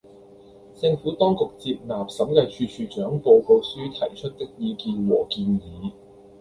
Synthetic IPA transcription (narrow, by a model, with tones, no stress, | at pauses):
t͡sɪ˧ŋfuː˨˥t̪ɔː˥ŋkʊ˨k̚t͡siː˧p̚naː˨˩p̚sɐ˨˥mkɐ˧jt͡ʃʰyː˧t͡ʃʰyː˨˧t͡ʃœː˨˥ŋpo˧wpo˧wsyː˥t̪ʰɐ˨˩jt͡ʃʰɵ˥t̚t̪ɪ˥k̚jiː˨˧kiː˨˧nwɔː˨˩kiː˧njiː˨˥